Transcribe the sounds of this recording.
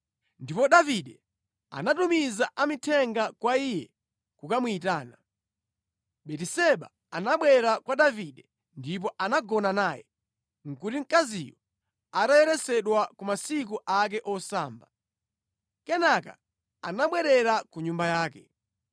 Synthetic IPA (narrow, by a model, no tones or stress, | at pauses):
ndipɔɗaviɗɛ | a̰natumizaʔamitʰɛŋɡakwaijɛ | kukamuitaːna | ɓɛtisɛɓa̰ | anaɓwɛɾakwaɗaviɗɛ | ndip̬ɔʔanaɡɔnanaːjɛ̰ | ŋ̩kutiŋ̩kazḭjɔ | atajɛɾɛsɛɗwakumasik̬uʔak̬ɛʔɔsaːmba | kɛnaka̰ | anaɓwɛɾɛɾakuɲumbajaːkɛ